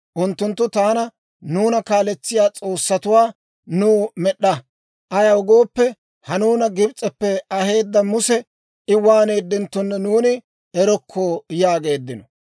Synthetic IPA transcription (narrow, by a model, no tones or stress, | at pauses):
ʔʊnt̪ːʊnt̪ːʊt̪aːnɐ | nuːnɐkaːlɛt͡sːɪjaːt͡sʼo̞ːsːɐt̪ʊwaː | nuːmɛɗːɐ | ʔɐjɐwʊɡo̞ːpːɛ | hɐnuːnɐɡɪbt͡sʼɛpːɛɐhe̞ːd̪ːɐmʊsɛ | ɪwaːne̞ːd̪ːɪnt̪ːɔnːɛnuːnɪ | ɛɾɔkʰːojaːɡe̞ːd̪ːɪnɔ